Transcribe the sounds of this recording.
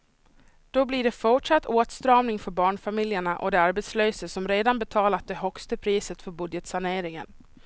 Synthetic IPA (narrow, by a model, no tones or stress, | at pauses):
d̪̥ɔbliɖɛfʊʈʂat̪ʰːoːt̪st̪ɾɑːmnɪŋfœɾbɑːɳfamɪljəɳaʔɔ̰d̪ɛaɾbɛt̪sløːsəsɔmɾeːd̪anbɛt̪ʰɑːlat̪̚d̪ɛɦœkst̪əpʰɾiːsət̪fœɾbɵd̪jət̪saɳeːɾɪŋə̰n